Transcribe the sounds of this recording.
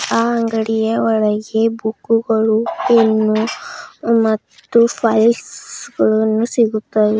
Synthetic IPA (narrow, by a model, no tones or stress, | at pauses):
aːɐŋɡɐɽijɐɔɭɐɡe̞bukːuɡɐɭuenːu | mɐt̪ːupʰɐjsɡɐɭɐnːusiɡut̪ːaʋe